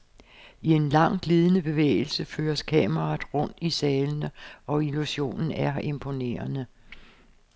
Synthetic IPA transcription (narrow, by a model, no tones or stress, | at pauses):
ie̝nlɑ̈ŋ̰ɡ̥liːð̞ˠənəb̥e̝ʋḛːɪl̩səfø̰ːɐskʰɛːmʁɑ̈ːðˠʁɔ̽n̰d̥isɛːlənəɒ̽iluɕo̝̰ːnn̩æɐe̝mpʰo̝ne̝̰ːɐnə